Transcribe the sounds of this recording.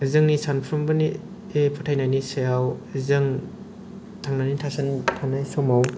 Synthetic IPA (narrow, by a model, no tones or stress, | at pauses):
zɯŋnisanpʰɾɯmbɯni | epʰatʰajnajnisejawzɯŋ | tʰaŋnanitʰasɯntʰanajsɔmaw